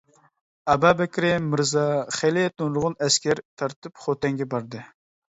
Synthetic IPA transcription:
ɑbɑbɛkʲɾɪmːɨɾzɑχelɪt̪unlˠʊʁʊnɛskʲæɾt̪ʰɑɾt̪ɨpχot̪ɛŋɡʲɛbɑɾd̪ɨ

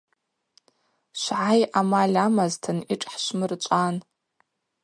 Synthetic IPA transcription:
ʃʷʕajʔamalʲamaztʰɨniʈ͡ʂʼħʃʷmɨrt͡ʃʷʼan

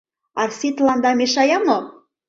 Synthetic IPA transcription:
ɑrsit̪lɑnd̪ɑmeʃɑjɑno

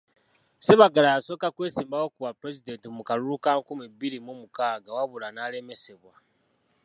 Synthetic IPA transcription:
seβaɡalajaso̞kakweːsiːmbawokuβapɾesidentimukalulukaŋkumiβilimumukaːɡawaβulanalemese̞βwa

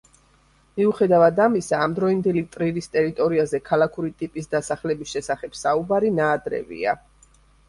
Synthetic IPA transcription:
miuχɛd̪avad̪amisaːmd̪ɾɔind̪ɛlit̪ʼɾiɾist̪ʼɛɾit̪ʼɔɾiazɛkʰalˠakʰuɾit̪ʼipʼisd̪asaχlɛbisʃɛsaχɛb̥saubaɾinaːd̪ɾɛ̰vḭa̰

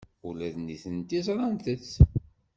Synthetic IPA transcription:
ulæðniθənt̪izɾˤɑnt̪ət͡sː

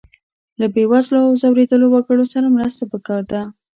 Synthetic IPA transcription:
labewazloawzɑwɾed̪əlowaɡəɽosaɾamɾəst̪apəkɑɾd̪a

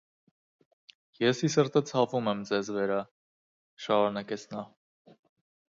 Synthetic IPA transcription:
jɛsisəɾt̪ət͡sʰhɑvumɛmd͡zɛzvəɾɑ | ʃɑɾunɑkɛt͡sʰnɑ

